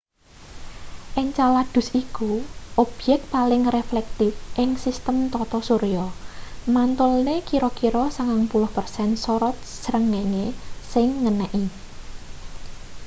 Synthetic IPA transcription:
ʔɪŋt͡ʃalad̪̥ʊ̤sikuʔob̥jɛk̚t̪̚palɪŋreflɛk̚t̪ɪfʔɪŋsist̪əmt̪ɔt̪ɔsuɾijɔmant̪ʊlnekiɾɔkiɾɔsaŋaŋpulʊhpərsɛnsɔɾɔt̪̚səɾəŋːeɲesɪŋːənɛʔi

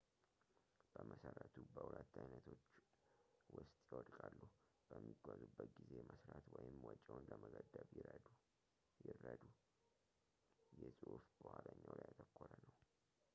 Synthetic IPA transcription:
b̥əməsəɾət̪ʰubəhulət̪ːajnət̪ʰo̞t͡ʃː | wʊst̪ʼjɪwɔd̪kʼalːuh | b̥əmːiɡʷazubːət̪ɡize̞məsɾat̪wɔjɪmwɔt͡ʃʼːawnləməɡəd̪əβ | jɪrəd̪u | jɛsʼɨʔufbəhaləɲːawlajat̪ʰəkʰːoɾənəw

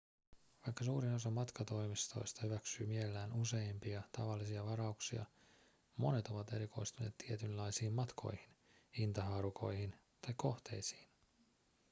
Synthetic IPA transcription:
ʋɑjkːɑsuːɾino̞sɑmmɑt̪kɑt̪o̞jmist̪o̞̰jst̪ɑhyʋæksyːmielːæːnuse̞jmpiɑt̪ɑʋɑlːisiɑʋɑɾɑuksiɑ̰ | mo̞ne̞t̪o̞ʋɑt̪e̞ɾiko̞̰jst̪une̞ːt̪t̪ʰːiet̪ynlːɑjsiːmmɑt̪kʰo̞̰jhin | int̪ɑɦɑːɾuko̞̰jhin | t̪ɑjkːo̞ht̪e̞̰jsi̥ːn

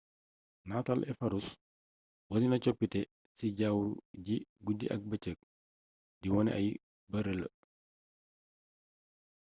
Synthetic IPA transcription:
naːtalʔɛfɐɾus | wɐtinɐt͡ʃɔpːitɛ | siɟaːwuɟiɡudḭʔɐ̰k̚bɐt͡ʃək̚ | diwɔnɛ̰ʔɐ̰j | bɐɾələ̰

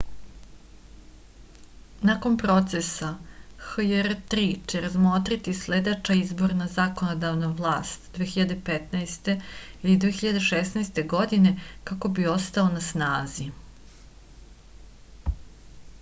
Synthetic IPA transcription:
nako̞npɾo̞t̪sesaxjeɾt̪ɾit͡ɕeɾazmot̪ɾit̪isled̪et͡ʃaizbo̞ɾnazako̞nod̪aʋnaʋlˠaːst̪d̪ʋexiʎad̪e̞pet̪naest̪e̞ilid̪ʋexiʎad̪e̞ʃesnast̪e̞ɡo̞d̪ine̞kako̞bio̞st̪aonasnaːzi

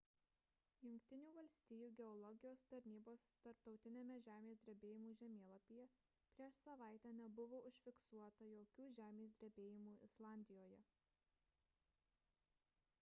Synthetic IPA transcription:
jʊŋʲkʲt̪ʲɪnʲuːʋɐlʲsʲt̪ʲiːjuːɡʲɛɔlˠɔɡʲɪjoːst̪ɐɾʲnʲiːboːst̪ɐɾpt̪ɒʊt̪ʲɪnʲeːmʲɛʒʲæːmʲeːsʲd̪ʲɾʲɛbʲeːjɪmuːʒʲɛmʲeːlˠɐpʲijɛ | pʲɾʲiɛʃsɐʋɑˑɪt̪ʲæːnʲɛbʊʋoːʊʃʲfʲɪksuɔt̪ɐjoːkʲuːʒʲæːmʲeːsʲd̪ʲɾʲɛbʲeːjɪmuːʔɪslˠɑːˑnʲd̪ʲɪjoːjɛ

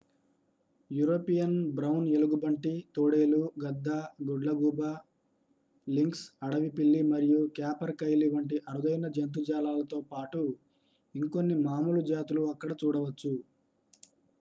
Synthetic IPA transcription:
juːɾo̞ːpijɐnbɾɐwne̞luɡubɐɳʈit̪oːɽeːluɡɐd̪ːaɡoɖlɐɡuːba | liŋksɐɽɐʋipilːimɐɾijukjaːpɐɾkɐjliʋɐɳʈiʔɐɾud̪ɐjnɐd͡ʒɐnt̪̬ud͡ʒaːlaːlɐt̪o̞ːpaːʈu | iŋko̞nːimaːmulud͡ʒaːt̪uluɐkːɐɽɐt͡ʃuːɽɐʋɐt͡ʃːu

